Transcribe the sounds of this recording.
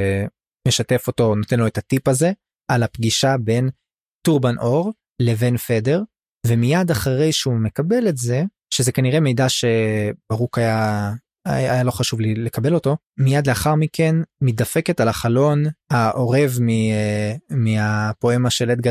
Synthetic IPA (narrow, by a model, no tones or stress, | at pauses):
me̞ʃate̞fo̞to̞note̞nlo̞etatipaze̞ | alapɡiʃabe̞n | tuʁbanʔo̞ʁ | le̞ve̞nfede̞ʁ | ve̞mijadaχaʁe̞jʃeume̞kabe̞le̞tze̞ | ʃeze̞kaniʁe̞me̞jdaʃe̞b̥aʁukaja | ajalo̞χaʃuvlile̞kabe̞lo̞to̞ | mijad̪leaχaʁmike̞nmit̚dafe̞ketalaχalo̞nhaʔo̞ʁe̞vmi | miapo̞e̞maʃelet̚ɡa